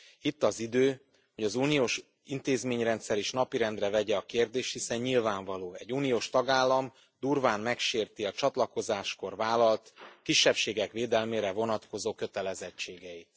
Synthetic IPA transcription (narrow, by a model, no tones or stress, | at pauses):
it̪ːɒzid̪øː | ho̞ɟɒzuːnijoːʃ | int̪eːzmeːɲrɛnt̪sɛɾiʃnɒpiɾɛnd̪rɛvɛɟɛɒkeːrd̪eːʃt̪hisɛɲɲilvaːɱvɒloːɛɟuːnioːʃt̪ɒɡaːlːɒm | d̪uːrvaːnmɛkʃeːrt̪iɒt͡ʃɒt̪lɒko̞zaːʃko̞rvaːlɒlt̪kiʃːɛpʃeːɡɛkveːd̪ɛlmeːɾɛvo̞nɒt̪ko̞zoːkø̞t̪ɛlɛzɛt͡ʃt͡ʃːeːɡɛit̪